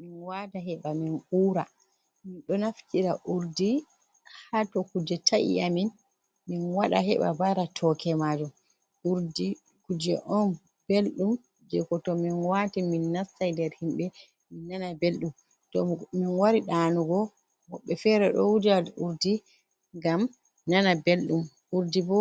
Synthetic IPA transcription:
minwadaɦɛɓaminʔuːɾa | minɗɔnaftiɾaʔuɾdi | hatɔkud͡ʒɛtʰaʔḭamin | minwaɗaɦɛɓa̰baɾatʰɔkɛmad͡ʒum | uɾdi | kud͡ʒɛʔɔn | b̥elɗum | d͡ʒɛkɔtɔminwatiminːasːajdɛɾhimɓɛ | minːanabelɗum | tɔminwaɾiɗaːnuɡɔ | hɔɓːɛfɛɾɛɗɔwudaluɾdi | ɡam | nanabelɗum | uɾdibɔ

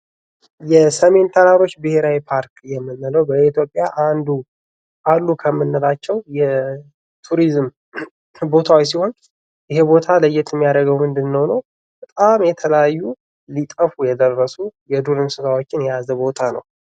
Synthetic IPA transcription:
jɛsəme̞nt̪ʰəɾaɾo̞t͡ʃːbɨhe̞ɾawipʰaɾkjɛmːɨnːələwbəit̪jo̞pʼːjaʔand̪u | ʔalːukʰəmːɨnːəlat͡ʃːɛwjɛ | t̪ʰuɾizm | bo̞t̪ʰawis̬iho̞n | jɪɦebo̞t̪ʰaləjːɪt̪ʰjɛmːijad̪əɡəwmɨnd̪ɨnːəwnəw | bət̪ʼamjɛt̪ʰələjajːu | lit̪ʼəfujɛd̪ərːəsujɛd̪uɾɨnsɨt̪ʰawo̞t͡ʃːɪnjɛjazəbo̞t̪ʰanə̰w

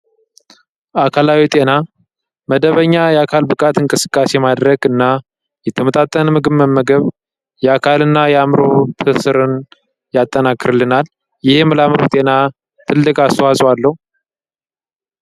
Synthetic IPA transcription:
ʔakʰalawit̪ʼe̞na | məd̪əβəɲːajɛakʰalbɨkʼat̪ɨŋkʼɨsɨ̥kʼːasemad̪ɾəɡɨnːa | jɛt̪ʰːəmət̪ʼat̪ʼːənmɨɡɨβmːəmːəɡəβ | jɛakʰalɨnːajɛamɾot̪ʰɨsɨɾɨn | jat̪ʼːənakːɨɾɨlːɨnal | jɪhmɨlamɾot̪ʼe̞na | t̪ʰɨlːɨkʼast̪əwasʼalːəhu

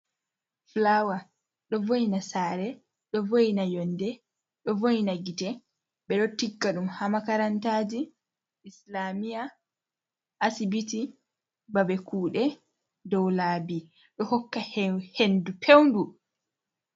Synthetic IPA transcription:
flawa | ɗɔvojinasaːɾɛ | ɗɔvojnajɔndɛ | ɗɔvojnaɡitɛ | ɓɛɗɔtiɡːaɗumhamakaɾantaːd͡ʒi | islamija | ʔːsibiti | babɛkuːɗɛ | dɔwlaːbi | ɗɔhɔkːahendupʰewndu

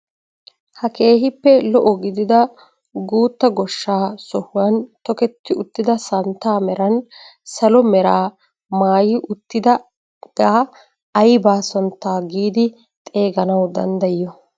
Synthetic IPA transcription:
hɐke̞ːɦɪpːɛlɔʔɔɡɪd̪ɪd̪ɐ | ɡuːt̪ːɐɡɔʃːaːsɔhʊwɐnt̪ɔkɛt̪ːɪʊt̪ːɪd̪ɐsɐnt̪ːaːmɛɾɐnsɐlɔmɛɾaː | maːjɪʔʊt̪ːɪd̪ɐ | ɡ̥aː | ɐjbaːsɔnt̪ːaːɡiːd̪ɪ | t̪ʼe̞ːɡɐnɐwd̪ɐnd̪ɐjːɔ

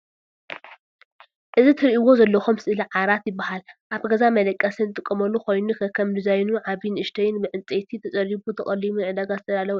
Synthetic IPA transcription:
ʔɨzit̪ʰɨɾʔiwo̞zɐlːɐxomsɨʔɨliʕaɾat̪jɪbːahalʔaβɡɐzamɐlɐkʼːɐsɨnt̪ʼɨkʼːɐmɐlːuko̞jnukʰɐkʰːɐmd̪ɨzajnuʕaβinʔɨʃt̪ʰɐjɪnbɨʕɨnt͡sʼet̪ʰit̪ʰɐt͡sʼɐɾibut̪ʰɐχʼɐlimunʕɨd̪aɡazɨt̪ʰɐd̪alɐw

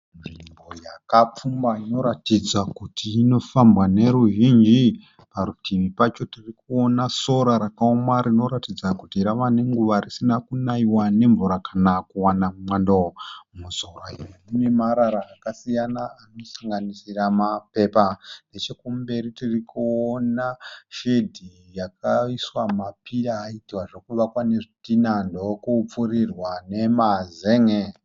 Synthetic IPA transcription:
nʐimbo̞jakap͡fumbaino̞ɾatid͡zakutʰiːno̞fambwane̞ɾuʒind͡ʒi | paɾutʰiʋipat͡ʃo̞tirikuonaso̞ɾaɾakaomaɾino̞ɾatid͡zakutiɾaʋane̞ŋɡuʋarisinakunaiwane̞ɱvuɾakʰanakuwanamwandomuzoraienimimaɾaɾaːkasijanaːno̞saŋɡanisiramape̞pane̞t͡ʃekumbe̞ɾitirikuonaʃedʱi | jakaiswamapiraːitiwaʐekuʋakwane̞ʐitinandookup͡furirwane̞mazeːŋe

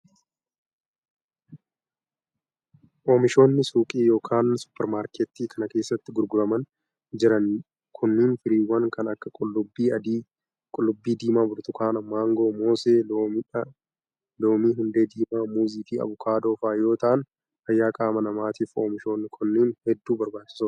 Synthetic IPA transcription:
ʔo̞ːmɪʃo̞ːnːɪsuːkʼiːjo̞ːkʰaːnsʊ̥pːɛɾmaːɾkʰɛt̪ːiːkʰɐnɐke̞ːsːɐt̪ːɪɡʊɾɡʊɾɐmɐn | d͡ʒɪɾɐn | kʰʊnːiːnfɪɾiːwːɐŋkʰɐnɐkːɐkʼʊlːʊbːiːɐd̪iː | kʼʊlːʊbːiːd̪iːmaːbʊɾt̪ʊkaːnɐmːaːŋɡo̞ːmoːseː | loːmiːɦʊnd̪e̞ːd̪iːmaːmuːziːfiːɐ̰βʊkʰaːd̪oːfaːjo̞ːt̪ɐʔɐn | hɐjːaːkʼaːmɐnɐmaːt̪iːfo̰ːmɪʃo̞ːnːɪkʰʊnːiːnhɛd̪ːuːbɐɾbaːt͡ʃːɪ̥sʊ

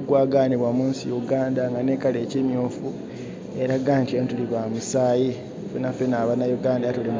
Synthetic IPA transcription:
ɡwaːɡaniβwamuːnsḭjuɡaːndaŋɡane̞ːkale̞ːcimjuːfu | e̞ɾaɡaːntioːntuliβwaːmusaːji | fenafenaːβanajuɡaːndajatule

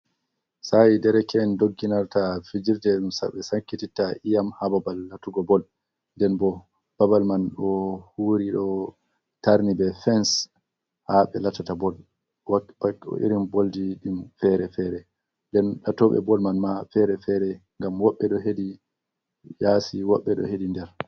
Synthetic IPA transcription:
sajidɛɾɛkɛndoɡːinaɾtafid͡ʒiɾdɛɗumsa̰ɓɛsaŋkːititːaʔijamhababalːatuɡɔbɔl | ndɛnbɔ | b̥abalmanɗɔhuːɾiɗɔ | taɾnibɛfɛns | haɓɛlatatabɔl | waaɔ̰ʔḭɾimboldiɗimfɛɾɛfɛɾɛ | ndɛnɗatɔɓɛ̰bɔlmanmafɛɾɛfɛɾɛŋɡamwɔɓːɛɗɔɦedi | jasiwɔɓːɛɗɔ̰hedindɛɾ

